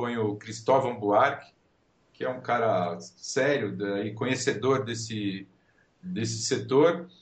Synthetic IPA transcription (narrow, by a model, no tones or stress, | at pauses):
õj̃ʊkɾist̪ɔvɐ̃w̃buaɾkɪ̥ | kɪɛũkaɾɐsɛɾjʊaikõɲesed̪oɾd̪esɪ | d̪esɪ̥set̪oɾ